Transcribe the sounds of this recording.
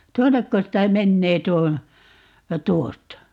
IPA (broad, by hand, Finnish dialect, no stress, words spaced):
tuonːekːos tæː menːeː tuo tuostɑ